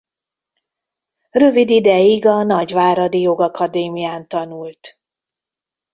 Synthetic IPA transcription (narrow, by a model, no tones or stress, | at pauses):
rø̞vid̪id̪ɛjiɡɒnɒɟvaːɾɒd̪ijo̞ɡɒkɒd̪eːmijaːnt̪ɒnult̪